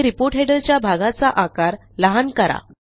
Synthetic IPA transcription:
ɾipoɾʈɦeɽəɾt͡ɕjabʱaɡat͡saʔakaɾ | ləɦankəɾa̰

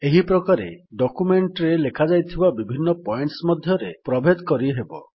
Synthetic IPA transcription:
eɦipɾɔkaɾḛɖɔkumeɳʈɾelekʰad͡ʒajt̪ʰibabibʱinːɔpɔjɳʈsmɔd̪ʱjɔɾepɾɔbʱed̪kɔɾiɦebɔ̰

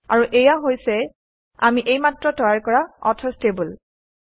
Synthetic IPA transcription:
a̰ɹuʔejaɦojsɛ | a̰miʔejmatɹɔtɔjaɹkɔɹaɔ̰tʰɔstebul

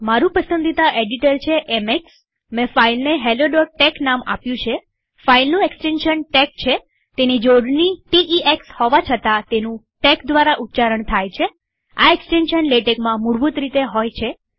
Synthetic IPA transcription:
maɾũpəsənd̪ʱit̪aʔeɖiʈəɾt͡ʃʰeʔemeks | mɛ̃failneɦeloɖɔʈeknama̰pjũt͡ʃʰe | failnũeksʈenʃənʈek̚t͡ʃʰe | t̪enid͡ʒoɖniʈiʔiʔekshoʋat͡ʃʰət̪at̪enũ | ʈekd̪ʋaɾaʔut̪ːt͡ʃaɾəɳt̪ʰajt͡ʃʰe | a̰eksʈenʃənleʈekmãmuɽbut̪ɾit̪eɦojt͡ʃʰe

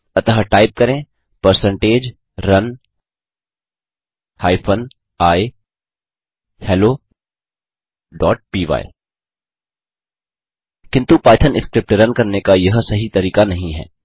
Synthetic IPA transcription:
ɐt̪əɦəʈaːɪp̚kɐɾẽː | pɐɾsə̃ɳʈeːd͡ʒ | ɾɐn | haːipʰən | aːi | hɛːloː | ɖɔːʈ̚piːʋa̰ːḭ | kɪ̃nt̪upaːt̪ʰənɪskɾɪp̚ʈɾɐnkɐɾnekajɐɦsɐɦit̪ɐɾiːkanɐɦĩɦɛ̰ː

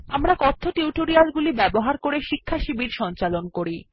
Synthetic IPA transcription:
amɾakɔt̪ʰːoʈuwʈoɾialɡulibɛboɦaɾkoɾeʃikʰːaʃibiɾʃɔnt͡ɕalonkoɾi

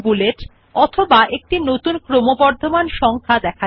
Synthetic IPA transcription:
buleʈ | ɔt̪ʰobaʔek̚ʈinot̪unkɾomobɔɾd̪ʱomanʃɔŋkʰad̪ɛkʰa

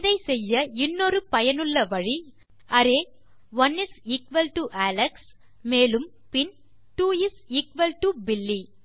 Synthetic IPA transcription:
ðɐɪsɛjːɐɪnːoɾɯpɐjɐnɯɭːɐʋɐɻi | ɐɾeː | ʋɐnɪsiːkʋɐlʈuʔaːlɐks | meːlɯm | pɪn | ʈuːɪsiːkʋɐlʈubɪlːi

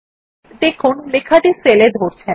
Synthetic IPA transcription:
d̪ekʰʊnlekʰaʈiseled̪ʱoɾt͡ʃʰɛ

